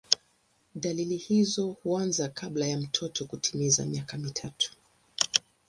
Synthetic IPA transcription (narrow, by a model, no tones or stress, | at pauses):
ɗalilihizɔhuanzakʰaɓlajam̩tʰɔtʰɔkutʰimiza̰miakamitʰatu̥